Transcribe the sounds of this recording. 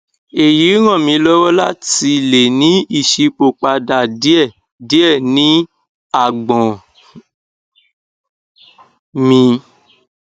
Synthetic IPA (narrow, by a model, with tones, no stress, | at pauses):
e˨ji˨˦ɾ̃ã˦˨mĩ˧˦lɔ˦wɔ˦la̰˦˨ti˧le˨nĩ˨˦i˦˨ʃi˧k͡po˨k͡pa˧da˨di˦ɛ˦˨ | di˨˦ɛ˦˨nĩ˨˦ | a˨ɡ͡bɔ̃˨ | mĩ˧